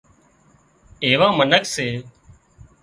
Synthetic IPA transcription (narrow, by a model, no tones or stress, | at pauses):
eːʋãːmənəkseː